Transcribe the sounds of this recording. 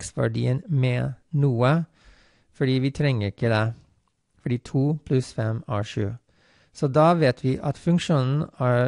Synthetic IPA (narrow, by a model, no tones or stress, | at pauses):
ksʋæ̰ɖḭːənmeːnuːə | fɔɖiːʋiːt̪ʰɾɛŋəɾɪkəd̪eː | fɔɖiːt̪ʰuːpʰlʉsfɛmæːʃʉ̰ː | soːd̪ɑːʋeːt̪ʰʋiːʔɑt̪fʉŋkʃuːnn̩æː